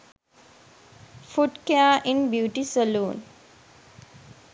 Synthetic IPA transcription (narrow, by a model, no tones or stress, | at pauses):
fuʈkeaːʔinbjuːʈisəluːn